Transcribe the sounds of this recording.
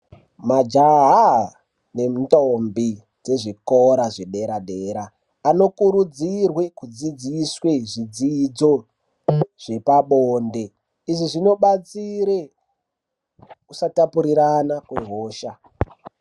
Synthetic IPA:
mad͡ʒaɦa | ne̞m̩tombi | d͡ze̞ʐikoɾaʐe̞ɗe̞ɾaɗe̞ːɾaː | no̞kuɾud͡zirwe̞kud͡zid͡ziswe̞ʐid͡zid͡zo̞ | ʐ̥e̞paɓoːnde̞ | iʐiʐino̞ɓat͡siɾe̞ | kusatapuɾiɾanakweɦoːʃa

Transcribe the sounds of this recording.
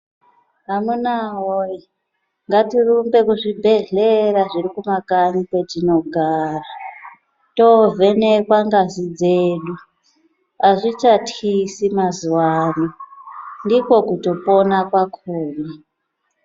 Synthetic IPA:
ɦamunaɦoji | ŋɡatirumbe̞kuʐibʱe̞ɮeraʐiɾikumakaɲikwe̞tino̞ɡʱaːra | tovʱe̞nekwaŋɡazid͡zeːɗu | aʐit͡ʃatʰisimazuwaːnondiko̞kuto̞po̞nakwakʰoːri

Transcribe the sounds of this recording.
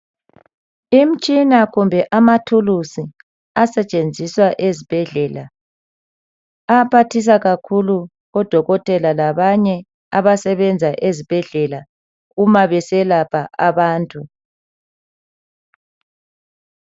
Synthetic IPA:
im̩t͡ʃʼinaɣumbʱɛʔamatʰulusi | asɛt͡ʃʼend͡zʱiswaʔezib̥ʱɛɮɛla | apʰatʰis̬aɣakʰulu | ɣɔd̥ʱɔɣɔtʼɛlalaβaɲɛ | aβasɛβɛnd͡zʱaʔezib̥ʱɛɮɛla | ɣumaβɛsɛlapʰaʔaβaːntʼu

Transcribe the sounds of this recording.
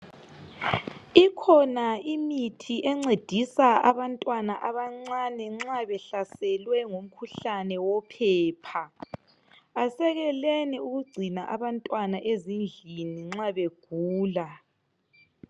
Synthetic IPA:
ikʰɔnaimitʰiʔɛŋ͡ǀed̥ʱisaaβantʼwanaʔaβaŋ͡ǀanɛŋ͡ǁaβɛɬasɛlwɛŋom̩kʰuɬanɛwɔpʰɛːpʰa | asɛɣɛlɛniuɣuɡ͡ǀʱinaʔaβantʼwanaʔezind͡ɮʱiniŋ͡ǁaβeɡ̥ʱuːla

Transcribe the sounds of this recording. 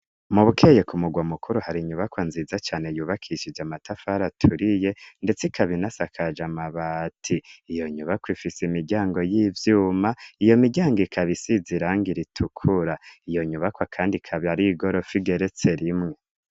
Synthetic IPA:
muβukʰejekumuɡwamukʰuɾuhaɾiɲuβakwanziːzat͡ʃaːne̞juːβakʰiʃid͡ʒamatʰafaɾatʰuɾije̞nde̞t͡sikʰaβinasakʰad͡ʒamaβatʰiːjo̞ɲuβakwifisimiɟaːŋɡo̞jiːvjuːmaijo̞miɟaːŋɡikʰaβisiziɾaːŋɡiɾitʰukʰuɾaijo̞ɲuβakwakʰaːndikʰaβiaɾiɡo̞ɾo̞fiɡe̞ɾe̞t͡se̞ɾimŋe̞

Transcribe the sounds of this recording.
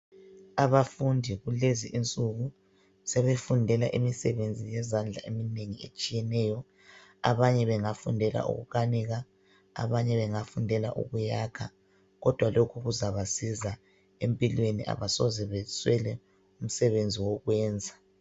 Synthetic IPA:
aβafundʱiɣuleziʔint͡sʼuɣu | sɛβefundʱɛlaʔimisɛβend͡zʱijɛzand͡ɮʱa̰emineŋiet͡ʃʼijɛnɛːjɔ | a̰βaɲɛβɛŋafundʱɛla̰ʔṵɣṵkʰaniɣa | a̰βaɲɛβɛŋafundʱɛla̰ʔṵɣujakʰa | ɣɔd̥ʱwalokʰuɣuzaβasiza | empʼilweniʔa̰βasɔzɛβɛswɛlɛ | um̩sɛβend͡zʱiwɔɣwɛːnd͡zʱa

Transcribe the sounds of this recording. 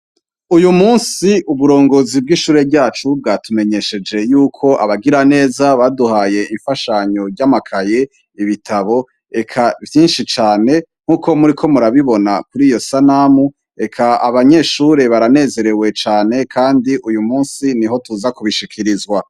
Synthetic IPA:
ujumuːnsiʔuβuɾo̞ːŋɡo̞ːzib̚ɡiʃuːɾe̞ɾɟaːt͡ʃub̚ɡaːtume̞ɲe̞ʃe̞d͡ʒe̞juːkʰo̞ʔaβaɡiɾane̞ːzaβaduhaːje̞iɱfaʃaɲo̞ɾɟamakʰaje̞ | iβitʰaβo̞ | e̞kʰavjiːnʃit͡ʃaːne̞ŋ̥uːkʰo̞muɾikʰo̞muɾaβiβo̞nakuɾiːjo̞sanamu | e̞kʰaaβaɲe̞ʃuːɾe̞βaɾane̞ːze̞ɾe̞we̞t͡ʃaːne̞kʰaːndiʔujumuːnsiniɦo̞tuzakuβiʃikʰiɾizɡwa

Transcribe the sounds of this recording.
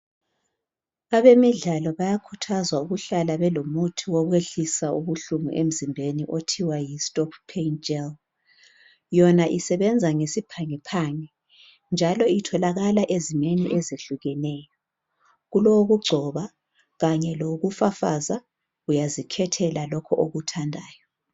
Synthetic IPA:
aβemiɮalɔβajakʰutʰazwauɣuɬalaβɛlomutʰiwɔɣweɬisauβuɬumṵʔem̩zimbʱeniʔotʰiwajistʼɔppʰent͡ʃʼɛl | jɔnaʔisɛβɛnd͡zʱaŋesipʰaŋɛpʰaŋɛ | nd͡ʒʱalɔitʰɔlaɣalaʔezimeniʔɛzeɬuɣɛnɛːjɔ | ɣuloɣuɡ͡ǀʱɔβa | ɣaɲɛloɣufafaza | ujazikʰɛtʰɛlalɔkʰɔʔoɣutʰandʱaːjɔ

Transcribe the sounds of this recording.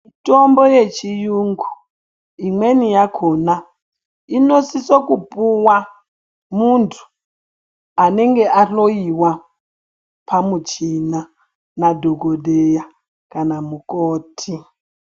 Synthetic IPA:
itombojet͡ʃijuŋɡu | imwenijakʰona | inosisokupuwa | muntʰu̥ | aneŋɡeʔaɬoiwa | pʰamut͡ʃina | nadʱoɡʱodeja | kanamukoːtʰi

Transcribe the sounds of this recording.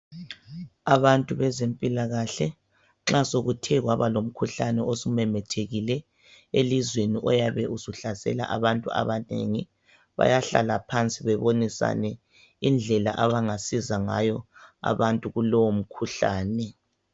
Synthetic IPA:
aβantʼuβɛzempʼilaɣaɬɛ | ŋ͡ǁasoɣutʰɛɣwaβalom̩kʰuɬanɛosumɛmɛtʰeɣilɛ | elizweniʔɔjaβɛʔuzuɬasɛ̰la̰ʔaβantʼua̰βanḛŋi | βa̰jaɬa̰lapʰant͡sʼiβɛβonisa̰nɛ | ind͡ɮʱɛla̰ʔaβaŋasizaŋa̰jɔa̰βantʼuɣulɔwom̩kʰuɬaːnɛ

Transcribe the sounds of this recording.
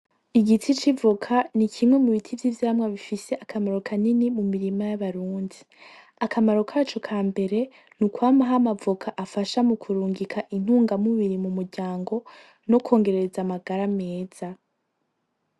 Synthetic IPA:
iɡitit͡ʃivukʰanikʰimŋe̞muβitʰivjiːvjaɾamŋaβifise̞ʔakʰamaɾo̞kʰaninimumiɾimajaβaɾuːndi | akamaɾo̞kʰat͡ʃo̞kʰaːmbe̞ɾe̞ | nukwaːmaɦamavukʰaʔafaʃamukʰuɾuːŋɡikʰaʔin̥huːŋɡamuβiɾimumuɾɟaːŋɡo̞ | no̞kʰo̞ːŋɡe̞ɾeezamaɡaɾame̞ːz̥a

